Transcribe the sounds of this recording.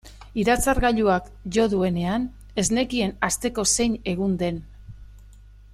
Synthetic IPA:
iɾat͡saɾɣaʎuak | ʝo̞ðue̞ne̞an | e̞zne̞kie̞nast̪e̞ko̞se̞jɲe̞ɣ̞und̪e̞n

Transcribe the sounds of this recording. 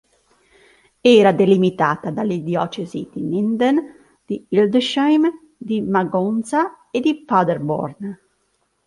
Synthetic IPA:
ɛːɾad̪elimit̪aːt̪ad̪alid̪jɔːt͡ʃɛzid̪̥inind̪ɛn | d̪̥iild̪ʃajm | d̪imaɡɔnsa | ed̪ifad̪ɛɾbɔ̰ɾn

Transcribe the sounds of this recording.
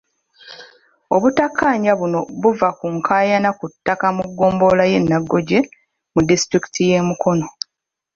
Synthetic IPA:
o̞βutakːaːɲaβuno̞βuvakuŋkʰaːjanakutːakamuɡːo̞ːmbo̞laje̞nːaɡːo̞ɟe̞ | mudistɾiki̥tʰije̞ːmukʰo̞no̞

